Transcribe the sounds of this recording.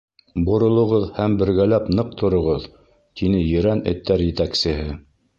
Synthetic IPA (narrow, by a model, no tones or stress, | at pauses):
bŏɾŏlˠŏʁɤðhæmbɘ̆ɾɡælæpnɤq̚t̪ŏɾŏʁɤð | t̪inɘjɘ̆ɾænɘ̰̆t̪ːæɾjɘ̆t̪æksɘ̆ɦɘ